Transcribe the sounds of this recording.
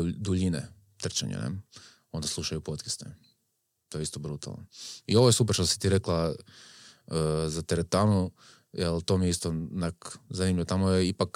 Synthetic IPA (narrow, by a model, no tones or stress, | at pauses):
d̪uʎinḛ | t̪r̩t͡ʃa̰ɲḛnḛ | o̞nd̪aslˠuʃajupot̪kest̪e | t̪ojist̪obɾut̪a̰ln̰io̞ʋojesupɛɾʃt̪osi̥t̪iɾeklˠa | əzat̪eɾet̪aːnu | jelt̪o̞mieist̪onakzaniːmʎʲiʋot̪amojeipak